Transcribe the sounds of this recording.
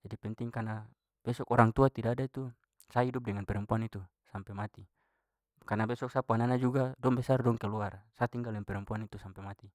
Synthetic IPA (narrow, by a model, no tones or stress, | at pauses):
d͡ʒadipɛnt̪iŋkana | b̥ɛsɔkɔɾaŋt̪uat̪idaːdait̪u | saidup̚dɛŋanpɛɾɔmpuanit̪u | sampɛmat̪i | karnabɛsɔk̚sapuananad͡ʒuɡadɔŋbɛsardɔŋkɛluarsat̪iŋɡalɛnpɛɾɔmpuanit̪usampɛmat̪i